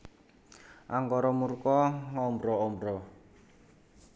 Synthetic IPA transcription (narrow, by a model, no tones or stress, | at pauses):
ʔaŋkɔɾɔmurkɔŋɔmbɾɔɔmbɾɔ